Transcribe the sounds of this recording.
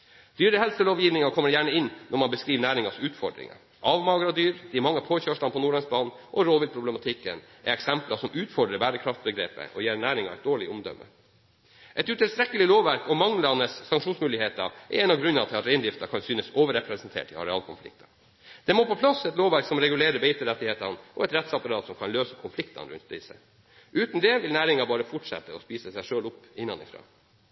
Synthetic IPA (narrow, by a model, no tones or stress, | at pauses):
d̪̥yːɾəhɛlsəloːʋjiːʋnɪŋɑkʰɔmːəɾjæːɳəɪnːʔɔɾmɑnbəskɾiːʋnæːɾɪŋɑsʉːt̪fɔ̰ɖɾɪ̰ŋɑ̰ | ʔɑːʋmɑːɡɾɑd̪yːɾd̪̥ɪmɑŋːəpʰoːçøːʂɭɑnpʰɔnuːɭɑŋsbɑːnn̩ʔɔɾoːʋɪlpʰɾʊbləmɑt̪ʰɪkːənʔɛɾɛksɛmplɑsɔmʔʉːt̪fɔɖɾəbæːɾəkʰɾɑft̪̚bəɡɾḛːpə̰ʔɔjeːɾɳæːɾɪŋɑ̰ɛ̰t̪̚d̪oːɭɪɔmd̪œ̰mːə̰ | ʔɛt̪ʉt̪ɪlst̪ɾɛkːəlɪloːʋʋæɾkɔmɑŋlɑnəsːɑŋkʂuːnsmʉːlɪheːt̪ɑɛ̰ɾɛnɑʋɡɾʉnːɑt̪ʰɪlɑt̪ɾeɪnd̪ɪft̪ɑkʰɑnsyːnəsoːʋəɾɛpɾɛsɛnt̪ʰḛːʈɪ̰ɑ̰ɾɛɑːlkʰʊnflɪ̰k̚t̪ʰɑ | d̪̥ɛmoːpʰɔpʰlɑsɛt̪loːʋæɾksɔmɾɛɡʉleːɾəbeɪt̪əɾɛt̪ːɪeːt̪ɑnʔɔɛt̪ɾɛt̪sɑpɑɾɑːt̪sɔmkʰɑnløːsəkʰʊnflɪkt̪ɑ̰nəɾʉ̰nt̪d̪ɪsə̰ | ʔʉːt̪n̩d̪ɛʋɪlnæːɾɪŋɑbɑːɾəfɔʈʂɛ̰t̪ːəɔspiːsəsæɪʂøːlʊpːɪnːɑ̰nɪ̰fɾɑ̰ː